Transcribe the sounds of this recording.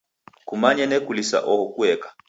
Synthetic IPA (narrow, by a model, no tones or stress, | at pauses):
kumaɲɛnɛkulisa̰ʔɔhɔkuɛkḁ